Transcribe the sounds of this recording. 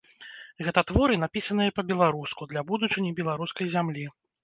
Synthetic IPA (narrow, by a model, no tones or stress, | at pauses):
ɣɛt̪ɐt̪vɔɾɨnapʲisɐnɨjɐpɐbʲɛlˠaɾuskud̪lʲabud̪ut͡ʂɨnʲibʲɛlˠaɾuskɐjzʲamlʲi